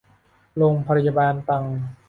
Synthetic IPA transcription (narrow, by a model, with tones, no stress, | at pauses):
loː˧ŋpʰa˧ɾi˧˩ja˧baː˧nt̪a˧ŋ